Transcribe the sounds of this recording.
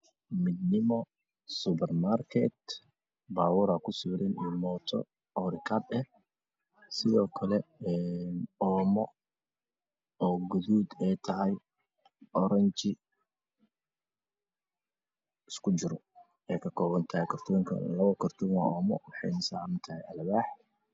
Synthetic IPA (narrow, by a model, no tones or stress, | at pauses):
mɪd̪nɪmɔ | sʊpɛrmarkʰɛt̪ | baːwɔɾakʰʊsuːɾɪnɪmɔːt̪ʰɔ̰ | ɔɾɪkʰadɛh | sɪðɔːkʰɐlɛɛnɔːmɔ | ɔːɡʊðuːd̪ɛjt̪ʰɐɦɐj | ʔɔɾɐnt͡ʃɪ | ɪskʰʊt͡ʃɪɾɔ | ɛjkʰɐkʰɔːβɐnt̪ʰɐhɛjkʰɐrt̪ʰɔːŋkʰɐ̰lɐβɐkʰɐrt̪ʰɔŋa̰ɔːmɔ̰wɑħɑ̰jnɐsaːmɐnt̪ʰɐɦɛjɐlβaːħ